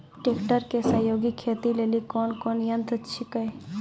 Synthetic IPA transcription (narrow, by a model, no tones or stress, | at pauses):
ʈeːkʈəɾkesɐːjoːɡikʰeːt̪ileːlikɔːnkɔːnjənt̪ətːʃʰikɐj